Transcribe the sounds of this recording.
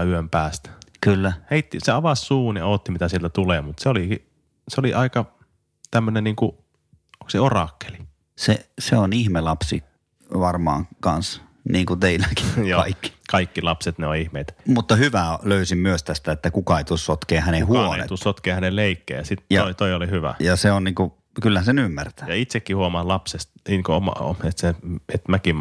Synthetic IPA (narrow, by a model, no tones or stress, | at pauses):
yømpæːst̪kylːæheit̪ːiseɑʋɑsːuːnioːt̪ːimit̪æsielt̪æt̪ulemut̪seoliki | seoliʔɑikɑ | t̪æmːønenniːŋku | okseorɑkːe̥li | seseonihmelɑpsḭ | ʋɑrmɑ̰ːŋkɑns | niːŋkut̪eilːæki̥joɑikːi̥kɑikːilɑpset̪neoihmeit̪mut̪ːɑhyʋæløysimmyøst̪æst̪æet̪ːækukɑeit̪ussot̪keːhænehuoeniḛt̪ussot̪keːhænelleikːḛːjɑsit̪jɑoit̪oiolihyʋæ̰jɑseonniːŋku | kylːæhæsenymːært̪æjɑit̪sekːihuomɑːlɑpsest̪ikoomɑ̰o̰et̪seet̪mækim